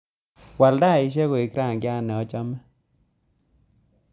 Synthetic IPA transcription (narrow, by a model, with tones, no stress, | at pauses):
wa˨lda˦˨i˨˦ʃ̬e˦ɣo˨i˨kɾa˦˨ŋɡja˦˨nɛ˨ɔ˦t͡ʃɔ˦mɛ˦